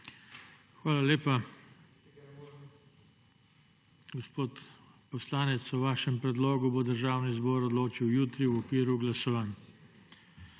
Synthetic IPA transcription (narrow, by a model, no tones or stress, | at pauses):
xʋaːlaleːpa | ɡɔspoːt̪ | pɔslaːnɛt̪sɔʋaːʃɛmpɾɛd̪loːɡubod̪əɾʒaːwnizboːɾɔd̪loːt͡ʃiwjuːt̪ɾiwɔkʋiːɾuɡlasɔʋaːn